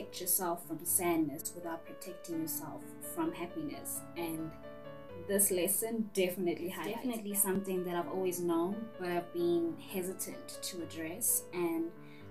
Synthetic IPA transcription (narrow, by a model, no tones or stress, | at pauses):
ɛk̚tjɔsɛlˠfɹɔ̃msædnəswɪθaʊt̚pʰɹ̥ɔtʰɛk̚tɪ̃ŋjɔsɛ̰lˠfːɹɔ̃mhæpinə̰s | ɛ̃n | ðɪslɛsə̃ndɛfənətlihaɛfənətlisãmθɪ̃ŋðæɾaɪvɔlˠwiznõnbaɾaɪvbĩŋhɛzətʰə̰̃ntʰːuədɹɛsʔɛ̃n